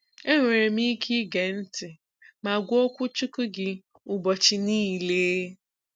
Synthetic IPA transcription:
e˦ŋʷe˨ɾe˨mi˦kʰi˦ɡe˨n̩˦tɪ˨ | ma˨ɡʷɔ˦kʷʊ˦t͡ʃu˦ku˦ɡɪ˦ | ʊ˨bɔ˨t͡ʃɪ˨niː˦˨leː˦

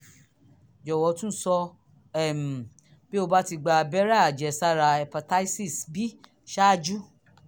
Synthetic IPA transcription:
d͡ʒɔ˨wɔ˨˦tũ˦n̩˦sɔ˧ | ɛ˦˨m˨ | b̥e˦o˧ba˦ti˧ɡ͡ba˧bɛ˦ɾa˦˨a˨d͡ʒɛ˨sa˦ɾa˧ɛ˨pa˨ta˦i˦si˦˨sbi˦ | ʃa˦d͡ʒu˦

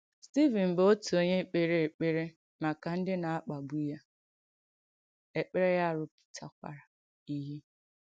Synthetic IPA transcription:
sti˦vi˨m̩˨bo˦tu˨o˦ɲe˦k͡pe˦ɾe˦e˨k͡pe˦ɾe˦ | ma˨ka˨n̩˦dɪ˦na˨a˦k͡pa˨ɡ͡bu˦ja˦ | e˨k͡pe˦ɾe˦ja˦˨ɾʊ˦pʊ̥˨tʰa̰˨kʷa̰˨ɾa˨ | i˦ɦi˦

